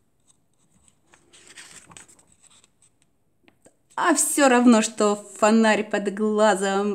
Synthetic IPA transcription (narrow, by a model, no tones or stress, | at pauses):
afsʲoɾɐvnoʂt̪ofɐnaɾʲpɐd̪ɡlˠazəm